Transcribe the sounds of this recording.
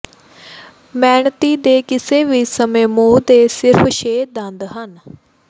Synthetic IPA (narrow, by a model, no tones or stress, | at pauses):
mɛːɳt̪iːd̪eːkɪseːʋisəmẽːmoːd̪eːsɪɾpʰʃeːd̪ənd̪ɦən